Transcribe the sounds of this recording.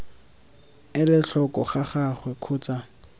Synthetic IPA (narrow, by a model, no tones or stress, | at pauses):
ɪlɪɬɔkʼɔχaχaχwɛkʰʊːt͡sʼa